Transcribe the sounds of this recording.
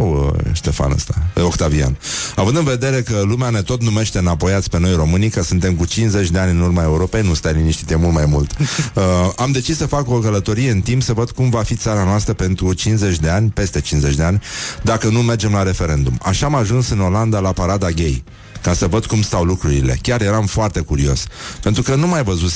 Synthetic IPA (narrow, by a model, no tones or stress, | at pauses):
wə̰ʃt̪e̞fa̰nə̰st̪aokt̪avia̰navɨnd̪ɨnve̞d̪e̞ɾe̞kəlumeane̞t̪o̞t̪nume̞ʃt̪enapo̞jat̪sʲpe̞no̞jro̞mɨnikəsɨnt̪e̞mkut͡ʃinsze̞t͡ʃʲd̪e̞anʲɨnurmae̞uɾo̞pe̞jnust̪ajliniʃt̪it̪ʲemulmajmult̪əamd̪e̞t͡ʃissəfako̞kələt̪o̞ɾije̞ɨnt̪impsəvəd̪̥kumvafit̪saɾanoast̪ɾəpe̞nt̪ɾut͡ʃinze̞t͡ʃʲd̪e̞anʲpe̞st̪e̞t͡ʃinze̞t͡ʃʲd̪e̞anʲd̪akənume̞rd͡ʒe̞mlaɾe̞fe̞ɾe̞nd̪uma̰ʃaːmaʒunsɨno̞land̪alapaɾad̪aɡʲe̞j | kasəvəd̪kumst̪awlukɾuɾḭle̞̰kʲarje̞ɾamfoart̪e̞kuɾio̞̰spent̪ɾukənumajvəzut̪